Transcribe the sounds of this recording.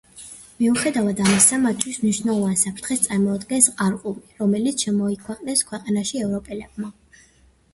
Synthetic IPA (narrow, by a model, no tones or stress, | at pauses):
miuχɛd̪avad̪amisamat̪̚ʰt̪ʰwismniʃvnɛlˠɔvansapʰɾt̪ʰχɛst̪sʼaɾmɔːd̪ɡɛnsqʼaɾqʼumiɾɔmɛlit̪sʰʃɛmɔikʰwɛqʼnɛskʰwɛqʼanaʃiɛvɾɔpʼɛlɛb̚ma